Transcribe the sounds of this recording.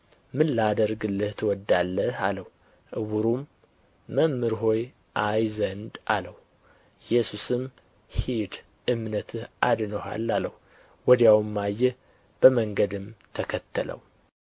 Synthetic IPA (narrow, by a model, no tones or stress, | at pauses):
mɨnlad̪əɾɡɨlːɨht̪ʰwɔd̪ːalːəhaləh | ʔɨwuɾumː | əmːɨɾɦo̞j | ʔajzənd̪ʔa̰ləw | jɛsusɨm | hid̪ | ɨmnət̪ʰɨhʔad̪nəha̰lːaləh | wɔd̪jawmːajːɛ | b̥əməŋɡəd̪ɨmt̪ʰəkʰət̪ʰːələ̰w